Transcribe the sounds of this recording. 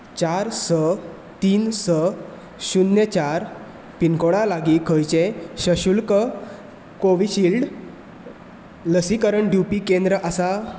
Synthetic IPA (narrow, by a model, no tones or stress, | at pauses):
t͡ɕaɾsə | t̪iːnsə | ɕunːjət͡ɕaɾ | pinkoɽalaɡikʰəjt͡ɕeɕəɕulkə | koʋiɕiːlɖ | ləsikəɾəɳɖjupikẽnd̪ɾəʔasa